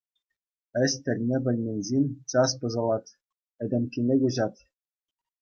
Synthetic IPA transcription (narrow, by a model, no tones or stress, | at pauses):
ɘ̆sʲt̪ʲɘ̆lʲnʲebʲɘ̆lʲnʲenʲzʲenʲt͡sɑspɤ̆zɤ̆lˠɑt̪ʲ | ɘ̆d̪ʲĕmʲkʲinʲĕɡʲɘ̆ʑɑt̪ʲ